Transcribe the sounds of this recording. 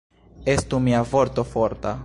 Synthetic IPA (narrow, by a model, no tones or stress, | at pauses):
est̪umiavoɾt̪ofoɾt̪a